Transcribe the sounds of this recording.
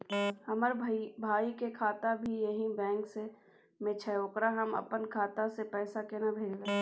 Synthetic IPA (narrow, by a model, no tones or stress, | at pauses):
hɐməɾbʱaːikekʰaːt̪abʱijɐɦĩbɛ̃ːŋkse | mɪt͡ʃʰɛokɾaɦɐmə̰pənkʰaːt̪asepɛːsakenabʱeːd͡ʒle